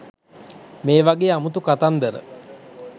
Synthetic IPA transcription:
meːʋaɡeːamut̪ukat̪and̪əɾə̰

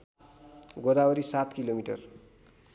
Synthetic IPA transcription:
ɡod̪aoɾisat̪kilomiʈʌr

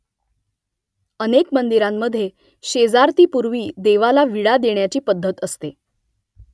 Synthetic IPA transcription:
ənekmənd̪iɾamːəd̪ʱːje | ɕed͡zaɾt̪iːpuɾʋiːd̪eʋalaʋiɽad̪eɳjat͡ɕiːpəd̪ʱːət̪əst̪e

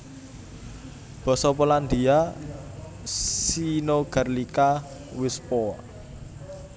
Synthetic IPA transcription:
b̥ɔ̤sɔpoland̪ia | sinoɡ̥a̤rlika | wɪspɔ

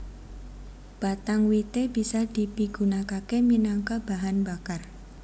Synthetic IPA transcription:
b̥a̤t̪aŋwit̪eb̥isad̪̥i̤piɡ̥unakakeminaŋkab̥aɦanbakar

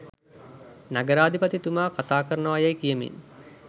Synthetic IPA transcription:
naɡəɾaːd̪ipɐt̪it̪umaːkat̪aːkəɾənəʋajajkijəmḭn

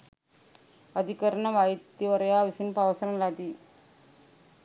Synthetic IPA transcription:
ɐd̪ɪkɐɾɐnɐʋaːjt̪ːiʋɐɾɐjaːʋɪsinpɐʋɐsɐnɐnlɐd̪i

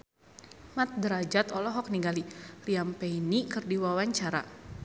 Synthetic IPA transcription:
mat̪̚dəɾad͡ʒat̪ɔlɔɦɔk̚niŋɡaliliampɛinikɨrdiwawaɲt͡ʃaɾa̰

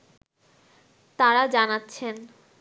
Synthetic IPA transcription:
t̪aɾad͡ʑanatːɕʰen

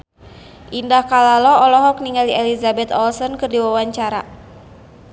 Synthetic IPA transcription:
ʔindahkalalɔɔlɔɦɔk̚niŋaliʔɛlizabɛt̪ɔlsɔnkɨrdiwawaɲt͡ʃaɾa

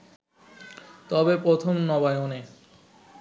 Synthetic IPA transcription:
t̪ɔbepɾot̪ʰomnɔbaeone

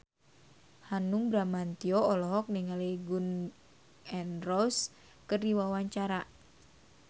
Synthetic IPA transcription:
hanuŋbɾamant̪iɔːlɔɦɔk̚niŋaleɡun | ɛnrɔs | kərdiwawaɲt͡ʃaɾa

